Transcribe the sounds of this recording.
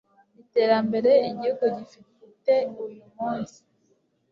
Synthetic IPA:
ite̞ɾambe̞ɾeːɟiuɡodifit | teuujumuːnsi̥

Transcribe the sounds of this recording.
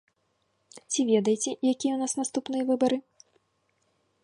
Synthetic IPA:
t͡sʲivʲɛd̪ɐjt͡sʲɛjakʲijɛwnasnast̪upnɨjɐvɨbɐɾɨ

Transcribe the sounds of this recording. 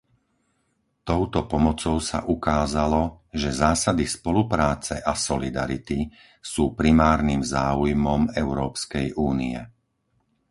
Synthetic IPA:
t̪ɔʊt̪ɔpɔmɔt͡sɔʊsa̰ʔukaːzalɔʒɛzaːsad̪ispɔlupɾaːt͡sɛʔasɔlid̪a̰ɾit̪i | suːpɾimaːɾnimzaːujmɔmɛʊɾɔːpskɛjʔuːniɛ̰

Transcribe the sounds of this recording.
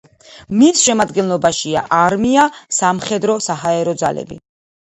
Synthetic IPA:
misʃɛmad̪ɡɛnlˠɔbaʃia̰ʔaɾmiasamχɛd̪ɾɔsaɦaɛɾɔd̪za̰lɛ̰bḭ

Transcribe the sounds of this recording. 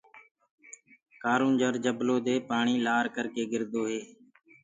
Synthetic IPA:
kaːɾuːnd͡ʒəɾd͡ʒəbloːd̪eːpaːɳiːlaːɾkəɾkeːɡɪɾd̪oːɦeː

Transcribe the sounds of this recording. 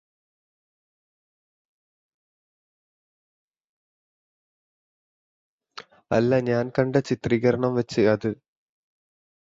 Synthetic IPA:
ɐ̰lːɐɲaːnkɐɳɖɐt͡ɕit̪riɣɐɾɐɳɐmʋɐt͡ɕːɨɐðɨ

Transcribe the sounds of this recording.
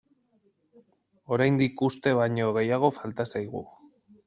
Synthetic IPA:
o̞ɾajnd̪ikust̪e̞βaɲo̞ɣ̞e̞jaɣ̞o̞falt̪asajɣṵ

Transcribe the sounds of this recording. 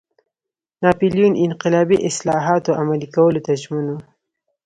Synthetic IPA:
nɑpilijunʔɪnqɪlɑbiʔɪslɑɦɑt̪oamalikawəlot̪ad͡ʒmunu

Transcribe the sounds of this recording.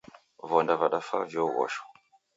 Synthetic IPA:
vondavaɗafa̰vjowa̰ʃo̥

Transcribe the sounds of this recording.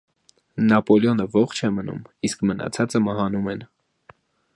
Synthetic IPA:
nɑpɔljɔnəvɔχt͡ʃʰɛmənṵmiskmənɑ̰t͡sʰɑt͡səmɑɦɑnumɛn

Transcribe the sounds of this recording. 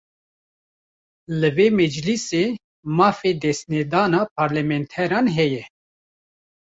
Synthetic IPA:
lɨveːmɛd͡ʒliseː | mɑːfeːd̪ɛst̪nɛd̪ɑːnaːpʰaːɾlɛmɛnt̪ʰɛɾɑːnɦɛjɛ

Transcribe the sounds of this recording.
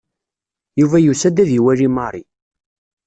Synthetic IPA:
juvæjusæd̪æðiwælimɑɾˤi

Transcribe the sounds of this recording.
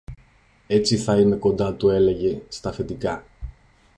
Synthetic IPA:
e̞t͡siθɐime̞ko̞nd̪ɐt̪ue̞le̞ʝe̞st̪ɐfe̞t̪ikɐ

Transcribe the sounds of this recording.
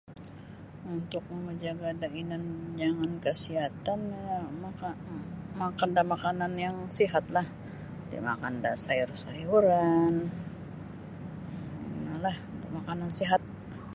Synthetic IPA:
unt̪ʊk̚məməd͡ʒaɡadainand͡ʒaŋankəsiɦat̪anmakamakandamakananjaŋsiɦat̪̚lah | dḭma̰kanda̰saɪrsajuɾan | nalaht̪ʊkmakanansiɦat̪̚

